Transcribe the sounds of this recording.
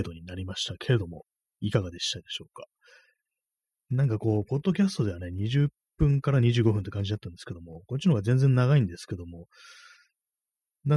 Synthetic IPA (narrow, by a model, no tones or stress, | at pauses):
d̪o̞ɲ̟inaɾʲimaɕi̥t̪akʰe̞ɾe̞d̪o̞mo̞ | ikaɡad̪e̞ɕi̥t̪ad̪e̞ɕo̞ːkḁ | nãŋkako̞ːpo̞d̪ːo̞kʲasɨ̥t̪o̞d̪e̞ane̞ɲ̟iʑɨppːɯ̟̃ŋkaɾaɲ̟iʑɨːɡo̞ɸɯ̟nt̪ekãɲ̟d͡ʑid̪at̪ːãnd̪esɨ̥ke̞d̪o̞mo̞kot͡ɕːinoɡazend͡zẽ̞nːaɣaĩnd̪e̞sɨ̥ke̞d̪o̞mo̞ | na